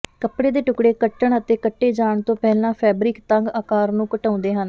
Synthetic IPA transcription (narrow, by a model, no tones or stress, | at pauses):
kəpɽeːd̪eːʈʊkɽeːkəʈəɳət̪eːkəʈːeːd͡ʒaːɳt̪õːpɛːlãːpʰɛːbɾɪkt̪əŋɡaːkaːɾnũːkəʈãːnd̪eːɦən